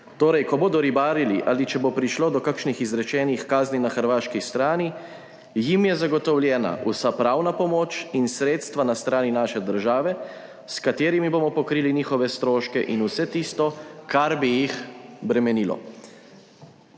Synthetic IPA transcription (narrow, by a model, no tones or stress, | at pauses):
t̪oːɾɛjkɔboːd̪ɔɾibaːɾiliʔaːlit͡ʃɛbopɾiʃloːd̪ɔkakʃnixizɾɛt͡ʃɛːnixkaːzninaxəɾʋaːʃkist̪ɾaːni | jimjɛzaɡɔt̪ɔwljɛːna̰usapɾawnapɔmoːt͡ʃinsɾeːt̪st̪ʋanast̪ɾaːninaːʃɛd̪əɾʒaːʋɛ | skat̪eːɾimiboːmɔpɔkɾiːliniːxɔʋɛst̪ɾoːʃkɛʔinusɛt̪iːst̪ɔkaɾbijixbɾɛmɛniːlɔ̰